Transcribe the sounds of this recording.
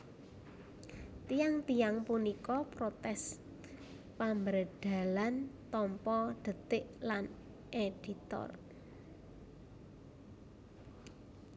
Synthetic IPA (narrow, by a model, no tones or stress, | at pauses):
t̪ijaŋt̪ijaŋpunikɔpɾot̪ɛs | pambəɾəd̪̥a̤lant̪ɔmpɔɖ̪̥ə̤t̪ɪʔlan | ʔed̥i̤t̪ɔ̰r